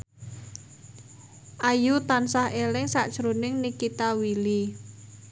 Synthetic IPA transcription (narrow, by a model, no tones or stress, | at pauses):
ʔajut̪ansahʔelɪŋsa̰ʔd̥ʒ̥ɾonɪŋnikit̪awili